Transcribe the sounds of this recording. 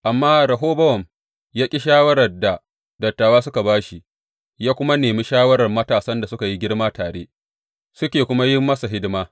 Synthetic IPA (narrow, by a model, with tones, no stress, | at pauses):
ʔa˨mːaː˦ɾɐ˨ɦoː˦bɐ˦wɐ˨m | jaː˦kʲʼi˦ʃaː˦wɐ˦ɾɐ˨rda˨ | dɐ˨tːaː˨waː˦sʊ˦ka˨baː˦ʃi˦ | jaː˦kʷʊ˦ma˦neː˨mi˦ʃaː˦wɐ˦ɾɐ˨rmɐ˦taː˨sɐ˦nda˨sʊ˦ka˨ji˦ɡʲɪ˦ɽmaː˦taː˨ɽḛː˦ | sʊ˦kʲeː˨kʷʊ˦ma˦jɪ˦mːɐ˦sa˨ɦɪ˦dɪ˦maː˦